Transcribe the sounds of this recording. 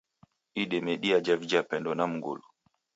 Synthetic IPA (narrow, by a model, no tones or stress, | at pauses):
iɗɛmɛɗiad͡ʒavid͡ʒapɛndɔnam̩ɡɔ̰lɔ